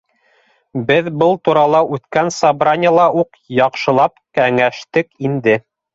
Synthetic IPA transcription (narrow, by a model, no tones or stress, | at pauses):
bɘðbɤlˠt̪uɾɑlˠɑʉθkænsɑbɾanʲə̆lˠɑuq | jɑqʃɤ̆lˠɑpkæŋæʃt̪ɘkind̪ɘ